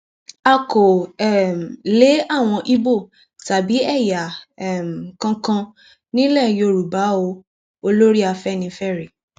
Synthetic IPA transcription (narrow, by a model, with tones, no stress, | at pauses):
a˧ko˨ɛ˦˨m˨le˨˦a˦˨w̃ɔ̃˧ʔi˦bo˦˨ | ta˨bi˨˦ɛ˦˨ja˨ɛ˨m˨kã˧kã˧ | nĩ˦lɛ˦˨jo˧˨ɾu˨ba˨˦o˧ | o˧lo˦ɾi˦a˧fɛ˦˨nĩ˧fɛ˦ɾe˨